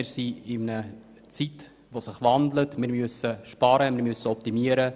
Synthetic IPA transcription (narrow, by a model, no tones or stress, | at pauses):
ɪsiɪmnə | t͡sit | ʋosɪχvandlətmɪːɾmyəsəʃpɑɾəmɪːɾmyəsəɔp̚timiəɾə